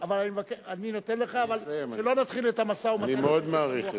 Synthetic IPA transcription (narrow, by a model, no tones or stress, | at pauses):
avalanimevakeaninot̪enle̞χaːvalʃelo̞nat̪χilet̪amasaumaimeod̪maːʁiχ